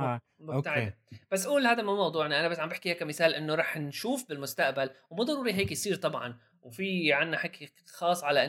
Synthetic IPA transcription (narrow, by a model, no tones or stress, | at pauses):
mt̪aʕ | b̥as̬ːʔuːlhaːd̪amumɑwd̪ˤuːʕnaʔanabasːʕambɪħkiheːkːamɪθaːlʔɪnːoɾˤɑːħnʃuːfbɪlmʊst̪aʔbalwmuːd̪ˤɑɾˤuːɾiɦeːkjsˤiːɾt̪ˤɑbʕɑ̰n | wfiʕanːaħeːki | xɑːsˤʕalaʔɪ